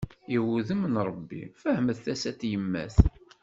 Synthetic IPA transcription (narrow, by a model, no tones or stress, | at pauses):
iwuðəmːənɾˤəbːḭfəhəməðθæsæt̪ːjəmːæ̰θ